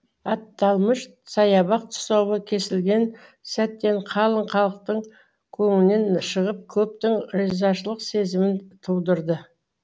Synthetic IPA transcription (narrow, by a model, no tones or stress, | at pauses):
ɑt̪ːɑlˠməʃ | sɑjɑβɑq̚t̪ʰʊ̥sowəkʲʰe̞sɪlɡʲe̞nsæt̪ːe̞ɴqʰɑlˠəɴqʰɑlˠəq̚t̪əɴ | kʲʰɵŋɪlne̞nʃəʁəp̚kʲʰɵp̚t̪ɪŋɾizɑʃəlˠəqse̞zɪmɪnt̪ʰuwd̪əɾd̪ə